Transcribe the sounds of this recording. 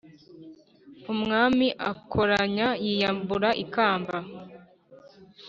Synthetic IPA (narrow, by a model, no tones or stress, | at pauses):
umŋaːmiʔakʰoɾaɲajijambuɾaʔikaːmba